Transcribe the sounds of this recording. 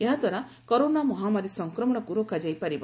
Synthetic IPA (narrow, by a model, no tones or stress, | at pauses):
eɦat̪ɔɾa | koɾonamɔɦamaɾisʌŋkɾɔmɔɽ̃ɔkuɾokad͡ʒajpaɾib